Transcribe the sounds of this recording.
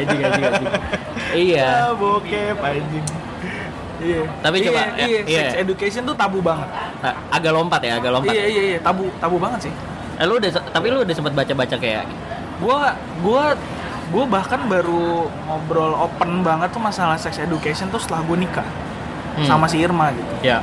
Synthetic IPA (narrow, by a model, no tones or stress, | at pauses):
d͡ʒiɡad͡ʒiɡad͡ʒi | ijabokepaid͡ʒɪŋ | ijat̪apit͡ʃomajaisɛsedukesiɔnt̪ut̪abubaŋət̪̚ | aʔaɡalompat̪jaːɡalompipajaijaijat̪abut̪abubaŋət̪sɪh | aloudasət̪apiloudasəmpət̪̚bat͡ʃabat͡ʃakaja̰ɡi | ɡua | ɡua | ɡuabahkanbaɾumobɾɔlopənbaŋət̪ːʊmasalahsɛksedukesiɔnt̪ʊst̪əlahɡuanika̰ | samasiirmaɡit̪uja